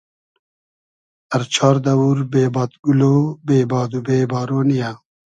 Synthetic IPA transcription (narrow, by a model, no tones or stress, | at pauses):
ɐɾt͡ʃʰɑːɾd̪ɐwuɾbeːbaːt̪ɡulobeːbaːd̪ubeːbaːɾoːnija